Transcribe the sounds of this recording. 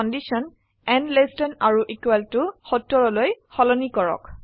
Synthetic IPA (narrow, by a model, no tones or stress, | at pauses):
ɔndisɔn | ɛnlestɔnaɹuʔikwɛltʊxɔtːɔɹɔlojxɔlɔnikɔɹɔ̰k